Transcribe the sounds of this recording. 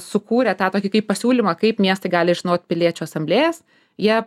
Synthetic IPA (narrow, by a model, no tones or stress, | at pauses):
sʊkuːɾʲɛt̪ɑːt̪oːkʲɪkɐppɐsʲuːlʲimɐkɐɪpmʲiɛst̪ɐɪɡɑːlʲɪʒʲɪnoːt̪̚ʲpʲɪlʲiɛt͡ʃʲuɐsɐmʲbʲlʲeːjɛs | jiɛ